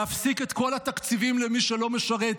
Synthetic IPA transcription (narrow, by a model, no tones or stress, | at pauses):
afsiket̪ko̞lat̪akt͡sivimlemiʃelo̞meʃaʁet̪